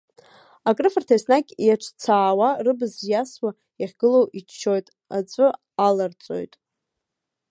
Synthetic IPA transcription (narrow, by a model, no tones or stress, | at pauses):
akʼrɨfartʰajsnakʲʼjaʈ͡ʂʰt͡sʰaːwarɨbɨzjaswa | jaχʲɡɨlowʔit͡ʃt͡ʃʰːo̞jtʼ | a̰t͡sʷʼʊ | alart͡sʷʼo̞̰jtʼ